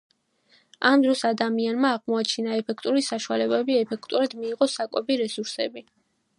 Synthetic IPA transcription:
amd̪ɾɔsad̪amianmaːʁmɔat͡ʃʰinaɛpʰɛkʰt̪ʼuɾisaʃualɛbɛbiɛpʰɛkʰt̪ʼuɾad̪miːʁɔsakʼwɛbiɾɛsuɾsɛ̰bi

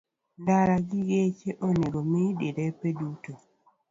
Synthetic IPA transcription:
ndaɾaɡiɡet͡ʃeʔoneɡomideɾepeduto

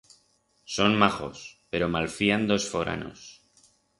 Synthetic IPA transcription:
so̞nmaχo̞̰spe̞ɾo̞malfiand̪o̞sfo̞ɾʔa̰no̞̰s

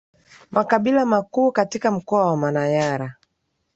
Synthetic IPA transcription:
mʔakaɓilamakuːkatikam̩kɔawamanajaɾa

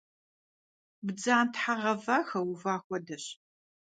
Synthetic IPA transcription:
bd͡zaːntħaʁɐvaːxɐwuvaːxʷɔdɐɕ

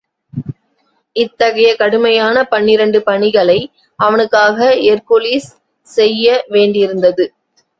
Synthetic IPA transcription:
ɪt̪ːɐɣɐjɐkɐɽɯmɐjaːnɐpɐɳːɪɾɐɳɖɯpɐɳɪɣɐɭɐɪ | ɐʋɐnɯkːaːɣɐɪeɾkoliːs | sɛjːɐʋeːɳɖɪɾɯnd̪ɐðɯ

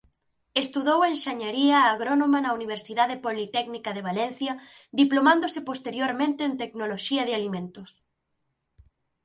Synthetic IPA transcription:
est̪uðowɐenʃaɲaɾiɐːɣɾonomɐnɐuniβeɾsiðaðepolit̪ɛknikɐðeβ̞alɛn̟θjɐðiplomãnd̪osɪpost̪eɾjoɾmẽnt̪eːnt̪eknoloʃiɐðɪalimẽnt̪ʊs

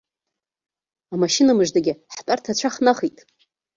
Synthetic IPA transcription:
amaʃinamɨʒdaɡʲɪħtʼartʰat͡ɕʷʰaχnaχitʼ

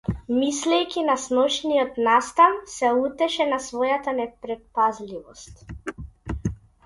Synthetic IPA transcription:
mislɛjkʲinasnɔt͡ʃnijɔt̪nast̪ansɛut̪ɛʃɛnasvɔjat̪anɛpɾɛt̪̚pazlivɔst̪

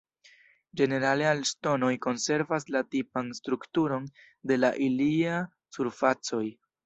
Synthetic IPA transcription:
d͡ʒe̞ne̞ɾalealsto̞no̞jko̞nse̞ɾvaslatipanstɾuktuɾo̞n | de̞laʔilia | suɾfat͡so̞j

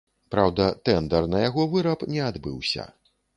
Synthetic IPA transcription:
pɾawd̪ɐt̪ɛnd̪ɐrnɐjaɣɔvɨɾɐpnʲɛad̪bɨ̰wsʲɐ̰

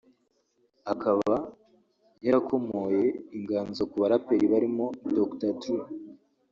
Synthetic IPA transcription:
akʰaβa | jaɾakʰo̞mo̞je̞iŋɡaːnzokuβaɾapeɾiβaɾimo̞doktatu

